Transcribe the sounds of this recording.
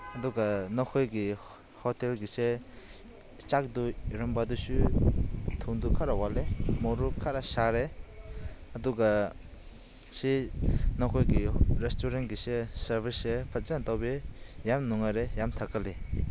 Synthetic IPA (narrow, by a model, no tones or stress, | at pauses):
ɐduɡanɔkʰojɡi | hɔtelɡise | t͡ʃak̚duiɾɔmbadusu | tʰuŋdukʰaɾawalemɔɾukʰːaɾasaɾe | ɐduɡa | sinɔkʰɔjɡiɾestuɾenɡisesɐɾbʱisepʰat̚zantawbejamnuŋaɾejamtʰakale